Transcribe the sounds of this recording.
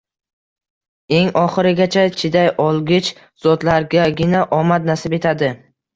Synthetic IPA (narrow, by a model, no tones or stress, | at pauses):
e̞ŋɒχɨɾɪɡʲat͡ʃʰat͡ʃʰɪd̪ajɒlˠɡʲɪt͡ʃ | z̥ɒt̪laɾɡʲaɡʲɪnaʔɒmad̪̚nasɪbe̞t̪ʰad̪ɪ